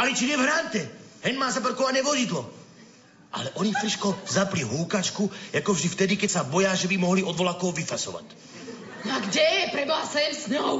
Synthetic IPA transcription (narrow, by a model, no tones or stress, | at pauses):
alit͡ʃiɲɛvɦɾant̪ɛhɛnmaːzap̬ɔɾkɔʋaɲɛʋɔzid̪lɔ | ʔa̰lɛʔɔɲiffɾiʃkɔzapliɦuːkat͡ʃkujakɔvʒd̪ift̪ɛd̪ikɛcsabɔjaʒɛbimɔɦliʔɔd̪ʋɔlakɔwʋifasɔ̰ʋa̰c | naɡɟɛjɛpɾɛblasɛɛmsnɔɔ